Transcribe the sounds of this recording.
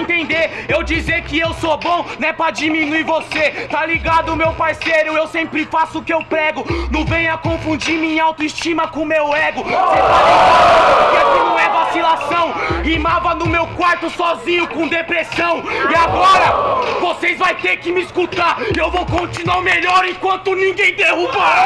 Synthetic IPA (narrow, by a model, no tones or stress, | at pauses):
t̪ẽnd̪eɾewd͡ʒizeɾkɪewsobõnɛpɾɐd͡ʒimĩnuiɾvoset̪aliɡad̪ʊʊmewpaɾsejɾʊewsẽmpɾɪfasʊʊkɪewpɾɛɡʊnɐ̃vẽjʊɐkõfũd͡ʒiɾmẽawt̪ʊist͡ʃĩmɐkõmewɛɡʊset̪aliɡdaaʊd̪ʊd̪ʊpʊkakɪnɐ̃w̃ɛvasilasɐ̃w̃imavɐnʊmewkwaɾt̪ʊsɔzĩɲʊkõd̪epɾesɐ̃w̃ɪaɡɔɾɐvosezvajt̪eɾkɪmɪiskut̪aɾewvowkõnt͡ʃĩnwaɾmeʎɔɾẽkwɐ̃nt̪ʊnĩɡẽj̃d̪ehuba